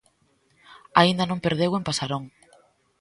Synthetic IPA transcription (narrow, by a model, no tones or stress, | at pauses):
aind̪ɐnõmpeɾðewempasaɾõŋ